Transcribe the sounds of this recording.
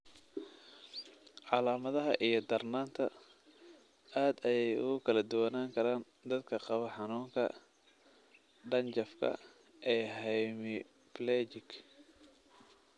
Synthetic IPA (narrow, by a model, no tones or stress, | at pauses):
ʕɑlaːmɐðɐɦɐ̰ʔijɞd̪ɐrnaːnt̪ʰɐ | aːd̪ɛjɛjʊ̰ɣʊkʰɐlɐd̪ʊwɐnaːŋkʰɐɾaːn | d̪ɐd̪kʰɐqɑβɐħɑnuːŋkʰɐ̰ | ɖɐnt͡ʃɐfkʰɐ̰ | ʔɛːɦɛjmɪ | plɛːt͡ʃɪk